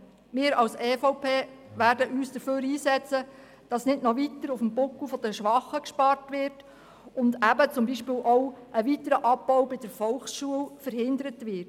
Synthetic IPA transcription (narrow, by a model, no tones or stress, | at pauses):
mɪːɾɑwsɛːfɔʊpʰeːʋæːɾdəʔyːsd̥əføːɾiːsɛt͡sə | d̥ɑsnɪdnɔʋitəɾʊfəmbʊkufɔd̥əʃʋɑχəkʃpɑrtʋɪrt | ʊndæbət͡sʊmbiʃpɪːlʔɔwʔəʋitəɾəʔɑpːɔʊwbɪd̥əɾfɔlχsʃuəlfəɾɦɪndəɾətʋɪrt